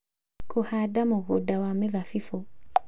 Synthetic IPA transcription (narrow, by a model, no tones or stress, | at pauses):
kuhadamuɣudawamevafifo